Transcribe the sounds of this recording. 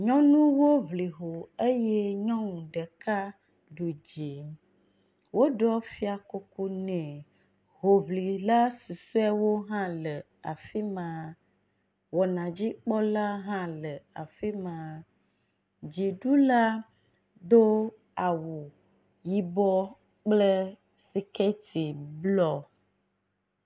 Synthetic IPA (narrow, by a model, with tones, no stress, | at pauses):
ɲɔ̃˦nũ˦wo˦vli˨ɦo˨e˦je˦ɲɔ̃˦ŋũ˨ɖə˨ka˦ | ɖu˨d͡ʒe˨ | wo˦ɖɔ˦fi˦a˨ko˦ku˦nɛ̃˨ | ɦo˨βli˨la˦su˨su˦ɛ˦wo˦ɦã˦lə˨ | a˨fi˦mã˨ | wɔ˨nã˨d͡ʑi˦k͡pɔ˦la˦ɦã˦lə˨a˨fi˦mã˨ | d͡ʒi˨ɖu˦la˦ | d̪o˦ | a˨wu˨ | ji˦bɔ˦ | k͡plə˦ | si˨kɛ˦t̪i˨blɔ˦